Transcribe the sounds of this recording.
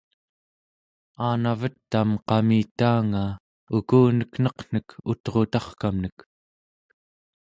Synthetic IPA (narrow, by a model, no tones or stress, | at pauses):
aːnavət̪ːamqɑmiːt̪aːŋa | ukuːnəkn̥ʌqn̥əkut̪ʁo̞t̪ɑχkamnək